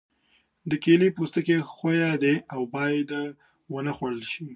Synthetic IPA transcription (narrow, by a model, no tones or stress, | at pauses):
d̪əkelipust̪əkexojad̪eawbɑjad̪ | wənəxwaɽəlʃi